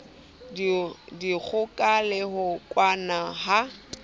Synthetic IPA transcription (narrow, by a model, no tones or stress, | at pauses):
dik͡xʰʊkʼalɛɦʊkʼwanaha